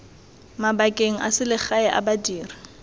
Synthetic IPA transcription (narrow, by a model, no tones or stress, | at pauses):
mabakʼeŋ̩ʔasɪlɪχaɛʔa̰badiːri